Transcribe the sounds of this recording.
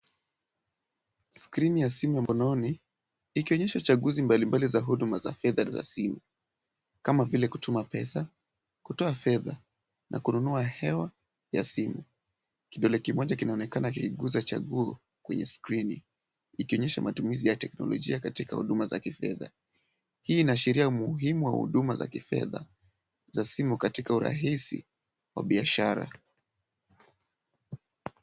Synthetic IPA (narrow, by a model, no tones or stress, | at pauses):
skɾinijasimujamɔnɔni | ikiɔɲɛʃat͡ʃaɠuzimbalimbalizaɦuɗumaza̰fɛðaza̰simu | kamavilɛkutumapɛsa | kutɔafɛða | nʔa̰kununuahɛwa | ja̰simu | kiɗɔlɛkimɔʄakinaɔnɛkanakiiɠuzat͡ʃa̰ɠuɔ | kwɛɲɛ̰skɾinḭ | ikiɔɲɛʃamatumizijatɛknɔ̰lɔʄḭakatika̰hṵɗumaza̰kifɛ̰ða̰ | hiːnaʃiɾiaumuɦimuwahṵɗumaza̰kifɛ̰ða̰ | zasimukatikauɾa̰ɦisḭ | wa̰ɓiaʃaɾa̰